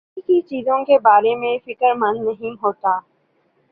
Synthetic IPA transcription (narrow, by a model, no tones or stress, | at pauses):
ikit͡ʃiːzõkebaːɾemẽfɪkəɾmɐnːɐɦĩɦoːt̪aː